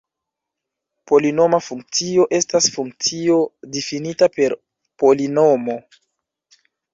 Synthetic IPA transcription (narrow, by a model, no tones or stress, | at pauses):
po̞lino̞mafuŋk̚t͡sio̞ʔe̞stasfuŋk̚t͡sio̞difinitape̞ɾ | po̞lino̞mo̞